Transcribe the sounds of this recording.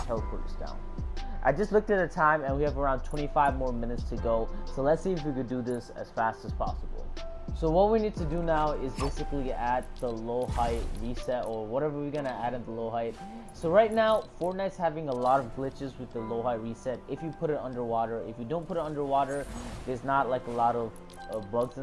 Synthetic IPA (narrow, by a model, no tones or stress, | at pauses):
tʰɛlˠkʰɔ̰ɹɾzd̥ã̰ʊ̃n | ʔa̰ɪd͡ʒʌstˡlʊk̚tɨɾɨtʰãɪ̃mɨ̃nwiɨvə˞ãʊ̃ntʰw̥ɛ̃ɾ̃ifaɪvmɔɹmɪ̃nɨtstʰɨɡoʊsoʊlətsiɨfwikɨdɨðɪsɨ̰z̥fæstɨz̥pʰɑ̰səbl̩ˠ | soʊwʌt̚winid̚tʰɨdɨnaʊɪzbeɪsɨkliæd̪̚ðəloʊhaɪt̚ɹisɛɾə˞wʌɾɛvə˞wiɡʌñɨæɾɨ̃nðəloʊɦaɪt̚ | soʊɹaɪtⁿnaʊfɔɹtⁿnaɪtshævɪ̃ŋəlɔɾʌvɡlɪt͡ʃɨzwɨðəloʊɦaɪt̚ɹisɛɾɨfjɨpʰʊɾɨɾʌ̰̃ndə˞wɔɾə˞ɪfjɨdõʊ̃npʰʊɾɨɾʌ̃ndə˞wɔɾə˞ðə˞znətˡlaɪkəlɔɾʌv | ʌblʌɡz